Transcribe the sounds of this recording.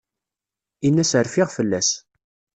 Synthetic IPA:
inːæsəɾfɪʁfəlːæs

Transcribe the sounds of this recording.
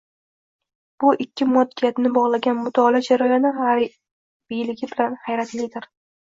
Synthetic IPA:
b̥ʊʔɪkʲʰːɪmɒd̪ːijat̪nɪbɒʁlˠaɡʲanmʊt̪ʰɒlad͡ʒaɾajɒnɪa | b̥ijlɪɡʲɪbɪlanhajɾat̪ʰlɪd̪ɪɾ

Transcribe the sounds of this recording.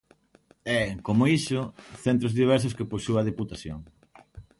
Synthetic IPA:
ɛkomoisʊθent̪ɾozðiβ̞ɛɾs̬ʊskeposuɐðeput̪aθjo̰ŋ

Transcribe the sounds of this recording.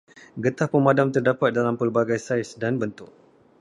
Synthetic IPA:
ɡət̪ahpəmãdamt̪ərdapat̪̚dalampərbaɡajsajsdanbənt̪ʊk̚

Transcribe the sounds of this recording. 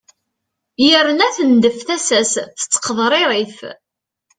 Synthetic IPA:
jəɾːənæθənd̪əfθæsæsθə̥t͡sːə̥qːəðˤɾˤeɾˤiθ

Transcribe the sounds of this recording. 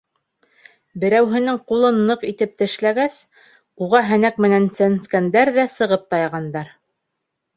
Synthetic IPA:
bɘ̆ɾæwɦɘ̆nɘŋqulˠɤnːɤqit̪ɘp̚t̪ɘ̆ʃlæɡæs | uʁɑɦænæk̚mɘ̆nænsænskænd̪æɾðæsɤ̆ʁɤp̚t̪ɑjɑʁɑnd̪ɑɾ

